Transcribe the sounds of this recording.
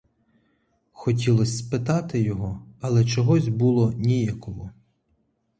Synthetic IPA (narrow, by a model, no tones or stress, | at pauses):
xɔtʲilˠɔsʲspɪt̪ɑt̪ɪjɔɦɔɐlˠɛt͡ʃɔɦɔzʲbulˠɔnʲijakɔɦɔ